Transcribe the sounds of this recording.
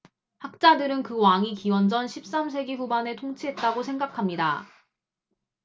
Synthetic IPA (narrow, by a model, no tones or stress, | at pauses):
hak̚t͡ɕ͈adɯɾɯnkɯwaŋikiwʌnd͡ʑʌnɕʰip̚s͈ams̬ʰe̞ɡiɸubane̞tʰoŋt͡ɕʰiɦe̞t̚t͈aɡosʰe̞ŋɡakʰamɲida̰